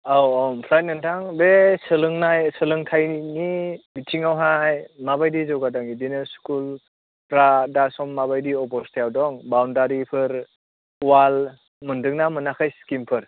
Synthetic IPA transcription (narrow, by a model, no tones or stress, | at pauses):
awɔmpʰlaj̚nɯntʰaŋbesɯlɯŋnajsɯlɯŋtʰajnibitʰiŋawɦajmabajdizɔwɡadɔŋidinɯskul | pɾadasɔmːabajdiɔpɔstʰijawdɔŋbawndaɾipʰɯɾ | wal | mɯndɯŋnamɯnakʰajskimpʰɯɾ